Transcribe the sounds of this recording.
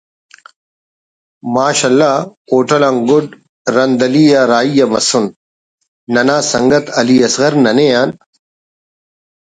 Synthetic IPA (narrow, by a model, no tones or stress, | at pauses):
maːɕɐlːaːkoːʈɐlãŋɡʊɖ | ɾɐnd̪ɐliːjaːɾaːijɐmɐ̰sunː | ɐnaːsɐ̰ŋɡɐt̪ɐliːɐsɣɐɾnɐnejaːn